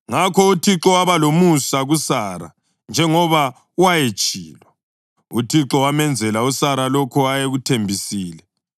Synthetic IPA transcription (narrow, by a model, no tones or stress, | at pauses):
ŋakʰɔutʰiǁɔwaβalomusaɣusaɾa̰ | nd͡ʒʱɛŋɔβa | wajet͡ʃʼiːlwɔ | utʰiǁɔwamɛnd͡zʱɛlausaɾalɔkʰɔajeɣutʰembʱisiːlɛ